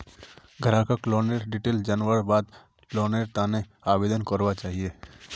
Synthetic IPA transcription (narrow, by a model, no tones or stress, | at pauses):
ɡʱɐɾãkakloːneːɾɖɪʈeːld͡ʒanwəɾbaːd̪ | kloːneːɾt̪aːnẽ | aːbeːd̪ənkəɾʋat͡ʃaːɦieː